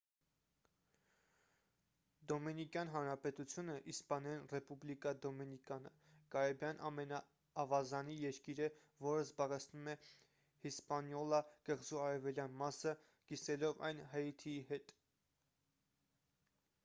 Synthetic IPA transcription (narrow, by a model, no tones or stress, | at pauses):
d̪ɔminikjɑn̪ɦɑnɾɑpɛt̪ut͡sʰjunəʔispɑnɛinrɛpublikɑd̪ɔminikɑnə̰ | kɑɾɛbjɑnʔɑmɛnɑː | vɑzɑnijɛɾkiɾə | vɔɾəzbɑʁɛt͡sʰnumɛ | hispɑnjɔlɑɡ̥əʁzuɑɾɛvɛljɑnmɑsə | kisɛlɔvɑ̰jnɦɛit̪ʰiiɦɛt̪